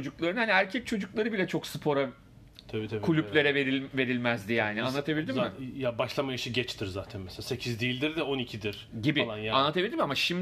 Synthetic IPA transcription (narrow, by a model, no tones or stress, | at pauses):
od͡ʒuklˠaɾɯnhaniæɾcʰɛc̚t͡ʃʰo̞d͡ʒuklˠaɾɯbilʲɛt͡ʃʰo̞ksɯpʰo̞ɾan | t̪ʰabit̪ʰekʰulʲyplʲe̞ɾɛveɾive̞ɾilʲmæzd̪ijaːnianːˠat̪ʰabilʲd̪immmɪjabaʃlˠamajɯʃɯɟɛt͡ʃt̪ʰiɾzaːt̪ʰænmɛselasecʰizd̪ilʲd̪iɾd̪ɛo̞nicʰid̪iɾ̥ɟibilˠanjanˠat̪ʰabid̪imamaʃim